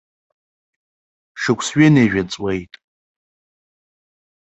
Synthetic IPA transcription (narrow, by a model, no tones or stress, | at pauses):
ʂɨkʷʰʼsɥɪnejʒᶣat͡sʼwejtʼ